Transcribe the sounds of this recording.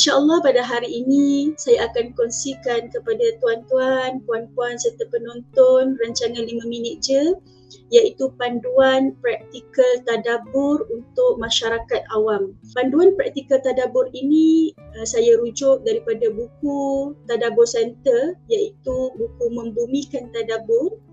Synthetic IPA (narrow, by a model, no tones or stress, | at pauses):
inʃaʔəlːɔhpadaɦaɾiːnisajaːkankɔnsikankəpadat̪uant̪uanpuanpuansərt̪apənɔnt̪ɔnraɲt͡ʃaŋãnlimãminɪt̪̚d͡ʒə | jait̪upanduanpɾak̚t̪ikəlt̪adabʊrunt̪ʊk̚maʃaɾakat̪̚awampanduanpɾak̚t̪ikəlt̪adabʊɾinĩsajaɾud͡ʒʊk̚daɾipadabukut̪adabʊrsɛnt̪əjait̪ubukumə̃mbumĩkant̪adabʊr